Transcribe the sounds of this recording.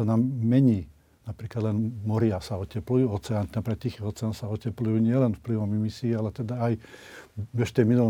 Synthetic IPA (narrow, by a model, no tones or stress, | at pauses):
anamːɛɲiː | napɾiːklad̪lɛnmɔɾɪasaɔcɛplujuːɔt͡sɛannapɾikat̪ːixiɦɔt͡sɛaːnsaɔcɛplujuːɲɪɛlɛnfpliʋɔmimisiːalɛt̪ɛd̪aaj | ʋɛʃt̪ɛminul